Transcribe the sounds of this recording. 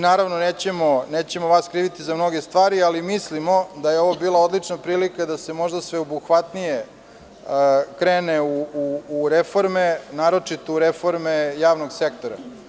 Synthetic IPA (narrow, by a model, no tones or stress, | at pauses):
naːɾaʋnoneːt͡ɕemoneːt͡ɕe̞moʋaskɾiːʋit̪izamno̞ɡe̞st̪ʋaːɾialimislimo̞d̪ajeo̞ʋobiːlˠao̞d̪lˠit͡ʂnapɾiːlikad̪ase̞mo̞ʒd̪asʋeobuxʋat̪nije | kɾeːneuuːɾefo̞ɾmenaːɾo̞t͡ʂit̪ouɾefo̞ɾmejaːʋnoɡse̞k̚t̪o̞ɾa̰